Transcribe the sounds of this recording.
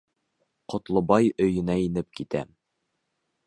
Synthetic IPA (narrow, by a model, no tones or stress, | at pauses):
qŏt̪lˠŏbɑjɵ̆jɘ̆næinɘp̚kit̪æ̰